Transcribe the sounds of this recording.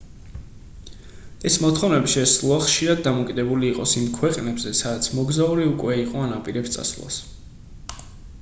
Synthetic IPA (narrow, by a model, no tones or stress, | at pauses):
ɛsmɔt̪χɔvnɛbiʃɛslˠɔaχʃiɾad̪̚ːamɔkʼid̪ɛbuliːqʼɔsimkʰwɛqʼnɛbzɛsad̪at̪sʰmɔɡzauɾiukʼwɛiqʼɔanapʼiɾɛpst̪sʼa̰svlˠa̰s